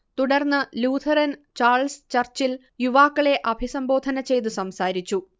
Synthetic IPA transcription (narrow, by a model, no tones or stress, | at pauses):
t̪uɽɐrnːɨluːd̪ʰʱɐɾɐnt͡ɕaːrɭst͡ɕɐrt͡ɕil | juʋaːkːɐɭe̞ʔɐbʱisɐmbo̞ːd̪ʱɐnɐt͡ɕe̞jt̪̬usɐmsaːɾit͡ɕːu